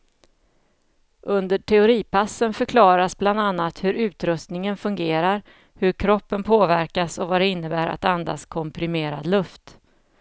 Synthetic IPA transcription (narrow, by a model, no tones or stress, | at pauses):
ʔɵnd̪əʈʰɛʊɾiːpʰasːənfœɾkʰlɑːɾasbland̪anːat̪hɵɾʉ̟ːt̪ɾɵst̪nɪŋənfɵŋɡeːɾaɾ | hɵɾkʰɾɔpːənpʰoːvæɾkasɔvad̪ɛɪnːəbæːɾa̰t̪and̪a̰skʰɔmpɾɪmeːɾa̰d̪lɵft̪